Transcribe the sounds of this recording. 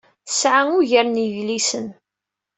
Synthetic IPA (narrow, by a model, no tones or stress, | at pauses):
θə̥sʕaŋʊʝəɾniʝlisən